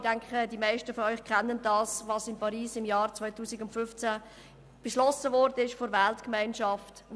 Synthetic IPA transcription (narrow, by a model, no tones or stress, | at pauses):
d̥ɛŋkχədimaɪʃtəfɔœʏχkʰɛnːənd̥ɑːsvɑsɪmpʰɑɾiːsɪmjɑːɾt͡svɔɪtuːsɪɡʊntfʏft͡sæ | b̥əʃlɔsəvɔɾd̥ənɪʃfɔɾvɛltkmaɪnʃɑft